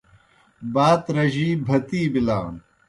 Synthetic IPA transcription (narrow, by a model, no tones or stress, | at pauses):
baːt̪ɾɐʑiːbʱɐt̪iːbilaːn